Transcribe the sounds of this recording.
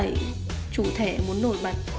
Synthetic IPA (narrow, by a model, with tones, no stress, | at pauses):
j | t͡ɕu˧˩t̪ʰɛ˧˩mu˨˦ənːo˧˩j̚ɓa˧˩˨